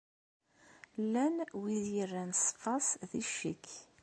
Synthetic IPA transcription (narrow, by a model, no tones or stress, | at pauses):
lːænwiðjərːænsfɑsðiʃḭkː